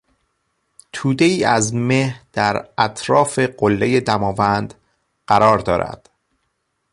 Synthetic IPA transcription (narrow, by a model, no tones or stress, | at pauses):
t̪ʰuːd̪e̞iːæzmehd̪̥æɾæt̪ʰɾɒːfe̞ɢolːe̞je̞d̪æmɒːvænd̪̥ | ɢ̥æɾɒːɾd̪ɒːɾæ̰d̪̥